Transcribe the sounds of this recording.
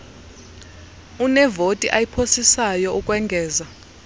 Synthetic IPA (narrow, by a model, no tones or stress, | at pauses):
unɛvotʼiʔajipʰosisajɔukʼwɛŋɡʱɛːza